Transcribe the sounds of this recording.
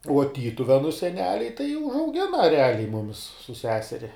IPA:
uɔ ˈtʲiːtʊʋʲɛnʊ sʲɛˈnʲæːlʲɛɪ tɐɪ ʊʒɐʊˈɡʲɪnɐ rʲɛˈɑːlʲɛɪ ˈmʊmʲɪs sʊ ˈsʲæːsʲɛrʲɪ

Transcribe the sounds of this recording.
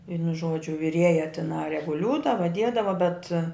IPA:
ˈʋʲiɛnʊ ˈʒuɔd͡ʒʲʊ ʋʲɪˈrʲiɛjɛ tʲɪˈnɐɪ rʲɛɡʊˈlʲuːdɐʋɐ ˈdʲiɛdɐʋɐ bʲɛt

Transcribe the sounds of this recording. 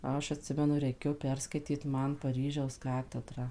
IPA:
ˈɐʃ ɐtʲˈsʲɪmʲɛnʊ rʲɛɪˈkʲeːjoː ˈpʲɛrskɐɪtʲiːt ˈmɐn pɐˈrʲiːʒʲɛʊs ˈkɑːtʲɛdrɑː

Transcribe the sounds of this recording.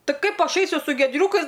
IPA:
ˈtɐɪ ˈkɐɪp ˈɐʃ ˈɐɪsʲʊ sʊ ɡʲiɛdʲˈrʲuːkɐɪs

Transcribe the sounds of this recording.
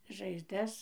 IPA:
ʒɐɪzˈdɐs

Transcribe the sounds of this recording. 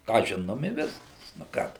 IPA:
kɑː ˈʒʲɪnoːm ɪ ˈʋʲɪskɐs nʊ ˈkɑː tʊ

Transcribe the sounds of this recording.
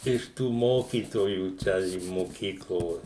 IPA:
ɪʃ ˈtuː ˈmoːkʲiːtoːjuː ˈt͡ʃʲɛ ɪ moːˈkʲiːklˠoː

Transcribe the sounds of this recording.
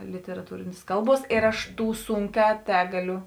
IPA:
lʲɪtʲɛrɐˈtuːrʲeːnʲeːs ˈkɐlˠˌbuɔs ˈeːr ɐʃ ˈtuː ˈsʊŋʲˌkʲɛː ˈtʲæːɡɐˌlʲʊ

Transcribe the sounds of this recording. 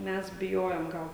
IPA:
ˈmʲɛs bʲɪˈjoːjoːm ˈɡɐlˠ

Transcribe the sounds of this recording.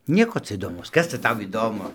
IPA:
ˈnʲiɛkoː ˈt͡sɐ iːdoːˈmɐʊs ˈkɐs t͡sɐ ˈtɐʊ iːˈdoːmʊ

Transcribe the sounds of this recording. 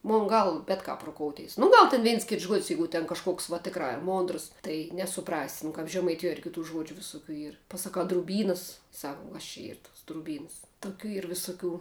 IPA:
ˈmʊn ˈɡɐlˠ ˈbʲɛt kɐp rʊˈkoːʊtʲeːs nʊ ˈɡɐlˠ tʲɛn ˈʋʲɛɪns ˈkʲɪts ʒuɔtʲsʲ ˈjɛɪɡʊ tʲɛn kɐʃˈkuɔks ʋɐ ˈtʲɪkrɑː ɪ ˈmoːndrs ˈtɐɪ nʲɛsʊˈprɑːsʲɪ nʊ kɐp ʒʲɛmɐɪˈtʲɪjuɔ ɪr kʲɪˈtuː ˈʒuɔd͡ʒʲʊ ʋʲɪsʊˈkʲuː ˈiːr pɐsɐˈkɐʊ drʊˈbʲiːnɐs ˈsɐk uɔ kɐs t͡ʃʲɛ ˈiːr tuɔs drʊˈbʲiːnɐs tʊˈkʲuː ˈiːr ʋʲɪsʊˈkʲuː

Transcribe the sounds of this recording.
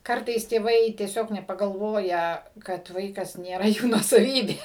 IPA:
ˈkɐrtɐɪs tʲeːˈʋɐɪ tʲiɛˈsʲoːk nʲɛpɐɡɐlˠˈʋoːjɛ kɐt ˈʋɐɪkɐs nʲeːˈrɐ ˈjuː nuɔsɐˈʋʲiːbʲeː

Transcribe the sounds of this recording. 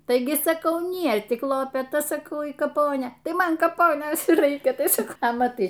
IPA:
ˈtɐɪɡʲɪ sɐˈkɐʊ ˈnʲiɛ tʲɪk lˠoːpʲɛˈtɐ sɐˈkɐʊ iː kɐˈpoːnʲeː ˈtɐɪ ˈmɐn kɐˈpoːnʲeːs iː ˈrɐɪkʲɛ ˈtɐɪ ˈsɐk ɐ mɐˈtɐɪ

